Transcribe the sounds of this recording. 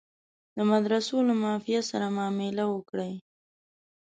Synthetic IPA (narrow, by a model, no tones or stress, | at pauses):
d̪əmad̪ɾasolamɑfijasaɾamɑmɪlawəkɽaj